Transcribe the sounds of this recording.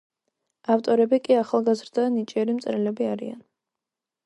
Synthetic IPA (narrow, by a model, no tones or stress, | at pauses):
aft̪ʼɔɾɛbikʼiaχalˠɡazɾd̪anit͡ʃʼiɛɾimt̪sʼɾɛlɛbiaɾḭa̰n